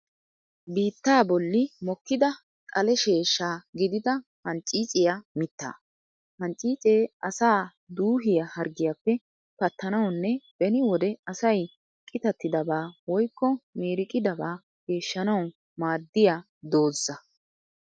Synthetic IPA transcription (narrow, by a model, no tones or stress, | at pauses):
biːt̪ːaːbɔlːɪmɔkːɪd̪ɐ | kʼɐlɛʃe̞ːʃːaːɡɪd̪ɪd̪ɐ | hɐnt͡ʃʼiːt͡sʼɪjamɪt̪ːa̰ː | hɐnt͡ʃʼiːt͡sʼeːʔɐsaː | d̪uːɦɪjahɐɾɡɪjapːɛ | pɐt̪ːɐnɐwnːɛb̥ɛnɪwɔd̪ɛɐsɐj | kʼɪt̪ɐt̪ːɪd̪ɐbaːwɔjkːɔmeːɾɪkʼɪd̪ɐbaː | ɡ̥e̞ːʃːɐnɐw | maːd̪ːɪjaː | d̪o̞ːzːɐ